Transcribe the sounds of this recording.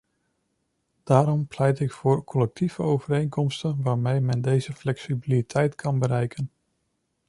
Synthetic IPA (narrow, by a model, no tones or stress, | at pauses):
d̥aːɾɔmplɛjtɪkfʊːɹkʰɔlɛk̚tivəowvəɾejnkɔmstənʋaːɹmejmɛndejzəflɛksibilitʰɛjtkʰɑnbəɾɛjkʰən